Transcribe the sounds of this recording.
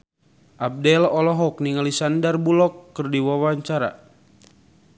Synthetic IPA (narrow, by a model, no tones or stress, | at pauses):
ʔab̚dɛlɔlɔɦɔk̚niŋalisandarbulɔkːərdiwawaɲt͡ʃaɾa̰